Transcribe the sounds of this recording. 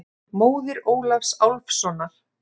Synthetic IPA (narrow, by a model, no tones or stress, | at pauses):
moːwðɪɾoːwlafsawlfsɔnːaɾ̥